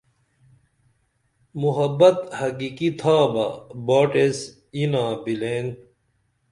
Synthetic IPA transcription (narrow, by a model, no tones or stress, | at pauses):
muɦɐbɐt̪hɐkikit̪ʰaːbɐbaːʈes | inãːbileːnɡ